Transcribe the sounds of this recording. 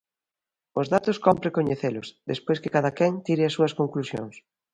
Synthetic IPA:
ʊzðat̪ʊskɔmpɾekoɲeθelʊsðespojskɪkaðɐkɛŋt̪iɾɪɐsːuɐskoŋklusjo̰ŋs

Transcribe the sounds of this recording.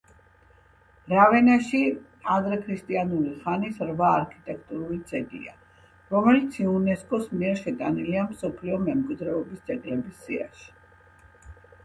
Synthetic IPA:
ɾavɛnaʃi | ad̪ɾɛkʰɾist̪ʼianuliχanisɾvaːɾkʰit̪ʼɛk̚ʰt̪ʼuɾulid̪zʼɛɡḭa̰ | ɾɔmɛlit̪sʰiunɛskʼɔsmiɛɾʃɛt̪ʼaniliamsɔpʰliɔmɛmkʼwid̪ɾɛɔbist̪sʼɛkʼlɛbisːia̰ʃi̥

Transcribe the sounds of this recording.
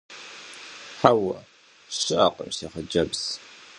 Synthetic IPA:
ħawɐ | ɕɪʔɐ̰qə̰mseːχəd͡ʒɐbs

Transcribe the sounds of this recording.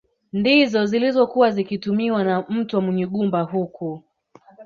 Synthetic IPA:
ndizɔzilizɔkuwazikitumiwanam̩tuwamɛɲɛɠumbahuku

